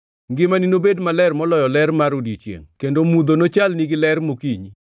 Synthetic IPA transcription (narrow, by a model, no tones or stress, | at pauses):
ŋɡɪmaninobedmalɛrmɔlɔjɔlɛɾmaɾudit͡ʃjḛŋkendomud̪onot͡ʃalniɡɪlɛrmokiɲi